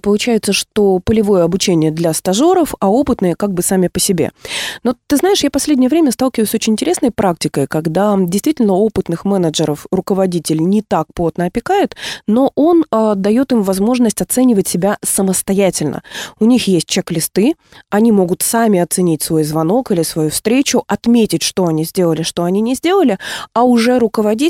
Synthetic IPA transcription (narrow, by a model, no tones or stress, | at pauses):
pəlˠʊt͡ɕæjɪt̪səʂt̪o̞pəlʲɪvo̞jəɐbʊt͡ɕenʲɪjəd̪lʲɐst̪ɐʐo̞ɾəfɐo̞pɨt̪nəjəkaɡ̚bɨsamʲɪpəsʲɪbʲḛnot̪ːɨznaɪʂjapɐsʲlʲedʲnʲɪjəvɾʲemʲəst̪alˠkʲɪvəɨjsʲot͡ɕɪnʲɪnʲtʲɪɾʲesnəjpɾak̚tʲɪkəjkɐɡd̪adʲɪjst̪vʲitʲɪlʲnəo̞pɨt̪nɨxmɛnəʐɨɾəfrʊkəvɐdʲitʲɪlʲnʲɪt̪ak̚plot̪nəɐpʲɪkaɪt̪no̞ʔo̞nəd̪ɐjo̞t̪ɨmvɐzmo̞ʐnəsʲtʲɐt̪sɛnʲɪvətʲsʲɪbʲasəməst̪ɐjætʲɪlʲnə̰ʊnʲixjesʲt̚ʲt͡ɕɛklʲɪst̪ɨ | ɐnʲimo̞ɡʊt̪samʲɪɐt̪sɨnʲitʲsvo̞jzvɐno̞kilʲɪsvɐjufst̪ɾʲet͡ɕʊʔɐt̪mʲetʲɪtʲʂt̪o̞ɐnʲizʲdʲe̞lˠəlʲɪʂt̪o̞ɐnʲinʲɪzʲdʲe̞lˠəlʲɪaʊʐɛɾʊkəvɐdʲi